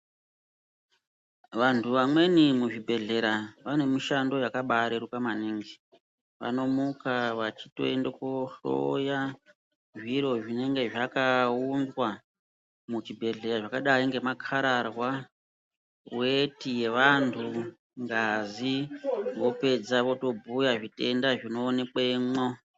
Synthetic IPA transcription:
ʋantʰuʋamwe̞nimuʐibʱe̞ɮe̞ɾaʋane̞miʃando̞jakaɓaɾeɾukamaneŋɡe | ʋa̰no̞mukaʋat͡ʃito̞̰endekoɬo̰ja | ʐiɾo̞ʐine̞ŋɡe̞ʐakaundwa | mut͡ʃibʱe̞ɮe̞ɾaʐakaɗaiŋɡe̞makʰaɾarwa | wetije̞ʋantʰu | ŋɡaziʋo̞pe̞d͡zaʋo̞to̞bʱujaʐite̞ndaʐino̞ːne̞k͡pemo

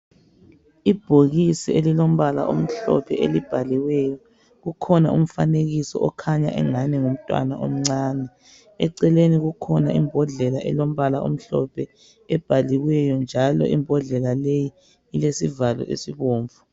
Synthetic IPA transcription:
ib̥ʱoɣisielilom̩βala̰ʔom̩ɬɔ̰pʰɛʔelib̥ʱaliwɛjɔ | ɣukʰɔna̰ʔṵm̩faneɣisɔʔɔkʰaɲa̰ʔɛ̰ŋanɛŋum̩tʼwa̰na̰ʔo̰m̩ŋ͡ǀaːnɛ | ɛǀɛleniɣukʰɔnaʔimbʱɔɮɛlaʔɛ̰lom̩βalaʔo̰m̩ɬɔpʰɛ | ɛb̥ʱaliwɛjɔnd͡ʒʱalɔ̰ʔimbʱɔɮɛlaleji | ilesivalɔ̰ʔḛsiβoːɱvu

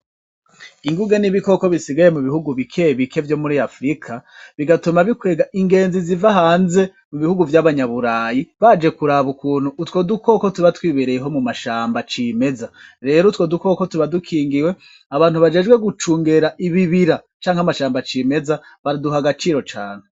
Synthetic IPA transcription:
iŋɡuɡeniβiko̞ko̞βisiɡaje̞muβihuɡuβikʰeβikʰe̞vjo̞muɾiafɾikʰaβiɡatumaβikwe̞ːɡaʔiŋɡe̞ːnzizivaɦaːnze̞ | muβihuɡuvjaβaɲaβuɾaːjiβad͡ʒe̞kuɾaβukuːn̥huːtwo̞duko̞ko̞tuβatwiːβeɾe̞jeɦo̞mumaʃaːmbat͡ʃime̞zaɾe̞ːɾotwo̞duko̞ːko̞tuβadukʰiːŋɡiwe̞ | aβaːnhuβad͡ʒe̞ːd͡ʒɡwe̞ɡut͡ʃuːŋɡe̞ɾaʔiβiβiɾa | t͡ʃaːŋhamaʃaːmbat͡ʃiːme̞zaβaɾiduɦaɡat͡ʃiːɾo̞t͡ʃa̰ːn̥e

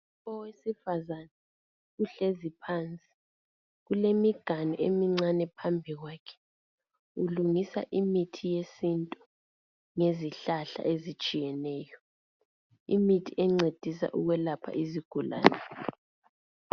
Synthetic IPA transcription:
ɔwesifazana | uɬezipʰaːnt͡sʼi̥ | ɣulemiɡ̥ʱanɔʔemiŋ͡ǀanɛpʰambʱiɣwaːkʰɛ̥ | uluŋisa̰ʔimitʰijesintʼu | ŋeziɬaɬa̰ʔezit͡ʃʼijɛnɛːjɔ | imitʰiʔɛŋ͡ǀed̥ʱisa̰ʔṵɣwɛlapʰa̰ʔiziɡ̥ʱula̰ːnɛ

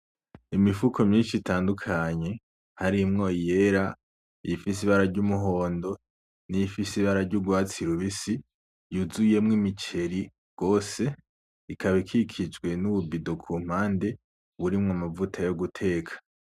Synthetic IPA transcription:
imifukʰo̞mɲiːnʃitaːndukʰaɲe̞ | haɾimŋoːje̞ɾa | ifis̬iβaɾaɾɟumuɦo̞ːndo̞ | niifisiβaɾaɾɟuɡwaːt͡siɾuβisi | juzuje̞mŋimit͡ʃe̞ɾi | ɡ̥o̞ːse̞ | ikʰaβikʰikʰid͡ʒɡwe̞nuβubido̞kʰum̥aːnde̞ | βuɾimŋamavutʰajoɡutʰe̞ːkʰḁ

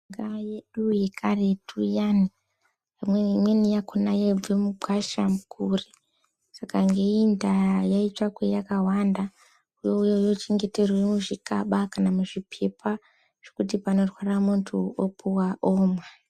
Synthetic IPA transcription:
ŋɡajeɗujekʰaretʰujani | pamwemwenijakʰonajeemuɡʱwaʃamukuri | sakaŋɡe̞indajait͡ʃwakwejakawanda | ujo̞ujojo̞t͡ʃe̞ŋɡe̞te̞rwoemuʐikaɓakanamuʐipʰe̞pʰa | ʐ̥okutipano̞rwaramuntʰuopʰuwaʔoːmwa

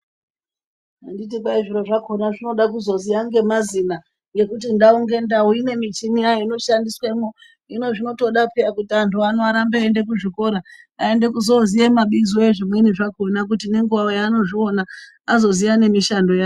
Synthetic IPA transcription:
anditipaiʐiɾo̞ʐako̞naʐino̞ɗakuzo̞zijaŋɡe̞mazina | ŋɡe̞kut̬indauŋɡe̞ndauine̞mit͡ʃimiaino̞ʃandisweimo | ino̞ʐino̞to̞ɗapiakutiantuanoaɾambeaende̞k̬uʐiko̞ɾa | ae̞nde̞kuzo̞zijemaɓizoeʐimweniʐako̞nak̬utine̞ŋɡuʋaojano̞ʐio̞na | azo̞zijane̞miʃando̞jaː

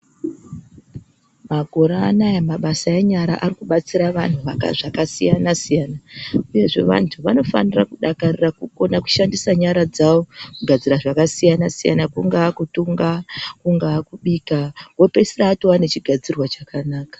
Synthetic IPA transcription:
maɡʱo̞ɾaːnajamaɓasaeɲaɾa̰ʔarikuɓat͡siɾaʋan̤uʋaka̰ʐakasijanasijaːnauje̞ʐe̞̰ʋa̰ntʰuʋano̞fa̰nirakuɗakarirakuko̞naku̥ʃandisaɲaɾad͡zawo̞kuɡʱad͡ziɾaʐakasijanasija̰nakuŋɡakutuŋɡakuŋɡakuɓiːkawo̞pe̞siraːtowane̞t͡ʃiɡʱad͡zirwat͡ʃakanaːkḁ

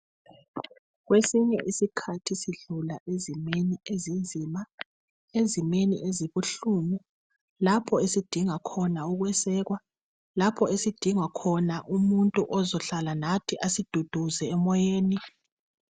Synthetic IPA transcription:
ɣwesiɲɛʔisikʰatʰisiɮulaʔezimeniezind͡zʱiːma | ezimenḭʔeziβuɬuːmu | lapʰɔesid̥ʱiŋakʰɔnauɣwɛsɛːɣwa | lapʰɔesid̥ʱiŋakʰɔnaʔumuntʼuʔɔzɔɬalanatʰiʔasid̥ʱud̥ʱuzɛːmɔjeːni

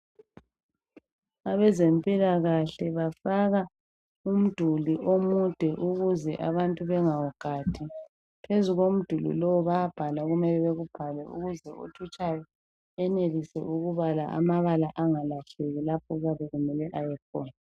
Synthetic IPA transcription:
aβɛzempʼilaɣaɬɛβafaɣa | um̩d̥ʱuliʔomud̥ʱɛʔuɣuzɛʔa̰βantʼuβɛŋawɔɡ̥ʱad̥ʰʱi | pʰezuɣom̩d̥ʱulḭlowuβaab̥ʱalaɣumɛlɛβeɣub̥ʱalɛṵɣuzɛo̰tʰut͡ʃʼajɔ | ɛnelisɛ̰ʔuɣuβala̰ʔa̰maβalaʔaŋalaɬɛɣɛlapʰɔɣaβɛɣumɛlɛʔajɛkʰɔːna

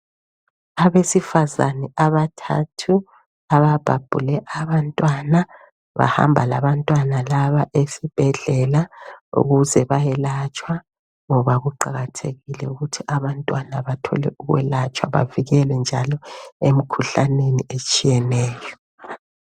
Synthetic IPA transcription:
aβesifaza̰nɛaβatʰa̰tʰu | aβab̥ʱab̥ʱṵlɛʔaβantʼwana | βa̰ha̰mbʱalaβantʼwanalaβaʔesib̥ʱɛɮɛlaṵɣuzɛβajɛlat͡ʃʼwa | ŋɔβaɣuǃaɣatʰeɣilɛuɣutʰiʔaβantʼwanaβatʰɔ̰lɛ̰ʔuɣwɛ̰lat͡ʃʼwa̰βa̰viɣɛlɛnd͡ʒʱalɔem̩kʰuɬaneniet͡ʃʼijɛnɛːjɔ

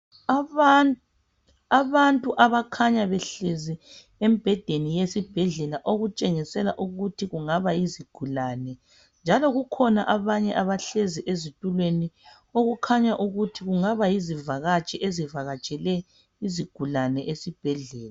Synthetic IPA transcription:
aβantʼuʔaβakʰaɲaβɛɬezi | em̩b̥ʱɛd̥ʱenijesib̥ʱɛɮɛlaʔoɣut͡ʃʼeŋisɛlaʔuɣutʰiɣuŋaβajiziɡ̥ʱulanɛ | nd͡ʒʱalɔɣukʰɔnaʔaβaɲɛʔaβaɬeziʔezitʼulweni | oɣukʰaɲaʔuɣutʰiɣuŋaβajizivaɣat͡ʃʼɛʔezivaɣat͡ʃʼɛlɛ | iziɡ̥ʱulanɛʔesib̥ʱɛɮɛːla

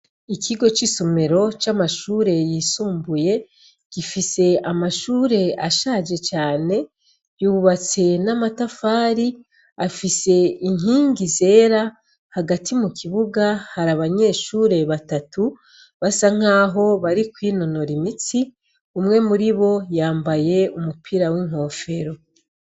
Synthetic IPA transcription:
ikʰiɡo̞t͡ʃisomeɾo̞t͡ʃamaʃuːɾe̞jiːsuːmbuje̞ | ɡ̥ifise̞amaʃuːɾe̞aʃaːd͡ʒe̞t͡ʃaːne̞ | juːβat͡se̞namatafaːɾi | afise̞iŋɦiːŋɡize̞ːɾa | haɡatʰimukʰiβuɡahaɾaβaɲe̞ːʃuːɾe̞βatatu | βasaŋ̥aːɦo̞βaɾikwiːno̞no̞ɾimit͡si | umŋe̞muɾiβo̞jaːmbaje̞umupʰiɾawiŋ̥ho̞ːfe̞ɾo̞

